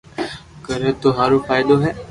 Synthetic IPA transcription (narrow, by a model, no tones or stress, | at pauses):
kəɾəːt̪oːɦaːɾoːfʰaːɪd̪oːɦɛː